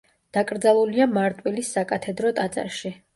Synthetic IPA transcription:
d̪̥akʼɾd̪zalˠuliamaɾt̪ʼwilisːakʼat̪ʰɛd̪ɾɔt̪ʼat̪sʼa̰ɾʃi

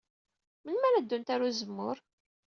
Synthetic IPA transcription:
mənmæɾæd̪ːʊnt̪aɾuzəmːʊɾ

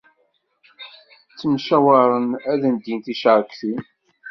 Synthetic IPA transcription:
t͡sːəmʃæwɑɾˤənæðænd̪jint̪iʃəɾkθi

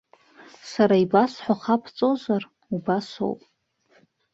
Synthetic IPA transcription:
saɾaibasħʷaχapʰt͡sʼozar | ubaso̰wpʼ

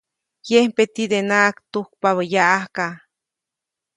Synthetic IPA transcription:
jempet̪id̪enaʔkt̪uhk̚paβəjaʔahka

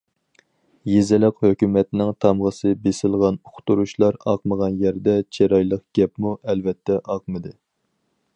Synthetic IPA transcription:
jezɪlɪqhøkʲymɛt̪nɪŋt̪ʰɑmʁəsɨbesɪlˠʁɑnoqʰt̪uɾuʃlˠɑɾɑ̰qməʁɑnjɛɾd̪ɛt͡ʃʰeɾɑjlˠəqɡ̥ʲɛpmuɛlvɛt̪ʰːɛʔɑqmɨd̪ɨ

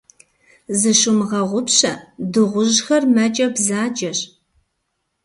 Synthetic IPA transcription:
zɨʃʊmʁɐʁʷʊpɕɐ̰dɨʁʷʊʒxɐrmɐt͡ʃʼɐbzaːt͡ʃʼɐɕ

